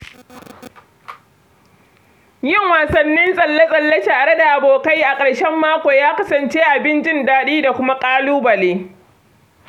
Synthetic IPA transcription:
jɪ˦˨ŋwaː˨sɐ˨nːɪ˦nsʼɐ˨lːɐ˦sʼɐ˨lːɐ˦taː˨ɽe˦da˨ʔa˨boː˨ka˦jʔa˨kʼɐ˨ɽʃɛ˦mːaː˦kʷoː˨jaː˦kɐ˦sɐ˨nt͡ʃeː˦ʔa˨bɪ˦nt͡ʃɪ˦ndaː˦ɗiː˦da˨kʷʊ˦ma˦kʼaː˦luː˦bɐ˨leː˦

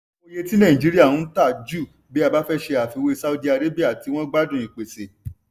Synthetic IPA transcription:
o˧je˧tĩ˦nã˦˨ĩ˨d͡ʒi˨˦ɾi˦a˦˨ũ˦n̩˦ta˦˨d͡ʒu˦˨ | bi˨˦a˦˧ba˦fɛ˦ʃe˧a˨fi˧we˧sa˦u˧di˧˦a˧ɾe˦bi˦a˦˨ti˨˧w̃ɔ̃˦ɡ͡ba˦dũ˦˨ĩ˨k͡pe˨se˨

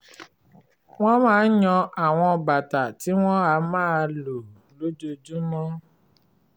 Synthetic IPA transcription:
w̃ɔ̃˦mãː˦ɲɔ̃˧a˨w̃ɔ̃˧ɔ˧ba˨ta˨ti˦w̃ɔ̃˦a˧˦mãː˦˧lo˨ | lo˨˦d͡ʒo˧d͡ʒu˦mɔ̃˦

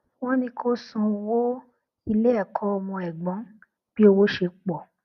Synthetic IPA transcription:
wɔ̃˦nĩ˧kʰo˦sũ˧wo˦ | i˧le˦ɛ˦˨kʰɔ˦ɔ˧mɔ̃˧ɛ˨ɡ͡bɔ̃˨˦ | b̥i˦o˧wo˦ʃe˧k͡pɔ˨

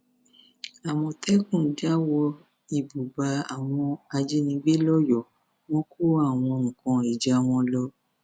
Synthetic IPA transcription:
a˨w̃ɔ̃˧tʰɛ˦kũ˦˨˦d͡ʒa˦wɔ˧ | i˨bu˨ba˧a˨w̃ɔ̃˧a˧d͡ʒe˦nĩ˧ɡ͡be˦lɔ˦jɔ˨ | w̃ɔ̃˦ko˦a˦˨w̃ɔ̃˧ŋ̩̃˨kɔ̃˧e˨d͡ʒa˨w̃ɔ̃˧lɔ˦

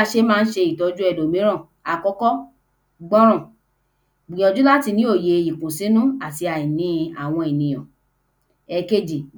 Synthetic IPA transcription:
ʃe˧˦mãː˦˧n̩˦ʃe˧i˨tɔ˧˦d͡ʒu˦ɛ˦˨do˨mĩ˨˦ɾ̃ã˦˨ | a˨kɔ˦kɔ˦ | ɡ͡bɔ̃˦ɾ̃ɔ̃˦˨ | ɡ͡bĩ˨ɔ̃˧˨d͡ʒu˦la˦ti˧nĩ˨˦o˦˨je˨i˨kũ˨sĩ˦nũ˦a˨ti˧a˨ĩ˨nĩ˨˦a˦˨w̃ɔ̃˧i˨nĩ˨j̃ɔ̃˨ | ɛ˧ke˦d͡ʒi˨

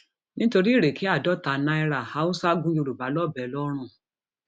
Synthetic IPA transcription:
nĩ˦to˧ɾi˦i˦˨ɾe˨ki˨˦a˦˨dɔ˨˦˨ta˨nã˧i˧ɾa˨ha˧˦ũ˦sa˦ɡũ˦jo˧ɾu˨ba˨˦lɔ˦˨bɛ˨˦lɔ˦ɾ̃ũ˦˨

